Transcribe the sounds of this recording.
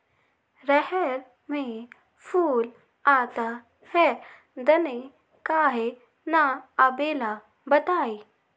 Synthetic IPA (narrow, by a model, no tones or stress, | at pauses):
ɾɛhɛɾ | mẽ | pʰuːl | aːt̪a | hɛ | d̪ɐne | kaːɦe | naɐbeːla | bɐt̪aːi